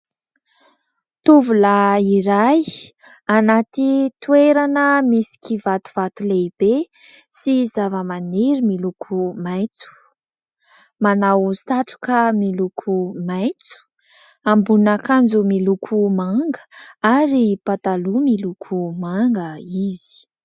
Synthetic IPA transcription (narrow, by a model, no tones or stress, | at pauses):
t̪uvulaiɾaj | anat̪it̪ueɾanəmisi̥kivat̪u̥v̥at̪uleib̥e | sizavəmaniɾimilukʰumajt͡su̥ | manawsaʈ͡ʂu̥kəmilukʰumajt͡su̥ | ambunakand͡zumilukʰumaŋɡə̥aɾipat̪alumilukʰumaŋɡəizi̥